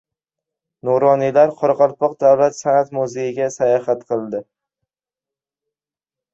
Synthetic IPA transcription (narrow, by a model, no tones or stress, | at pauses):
noɾɒnilaɾqʰɒɾɑqɑɾpʰɒq̚d̪awlat̪sanat̪mʊzejɪɡʲasajɒhat̪qʰɨlˠd̪ɪ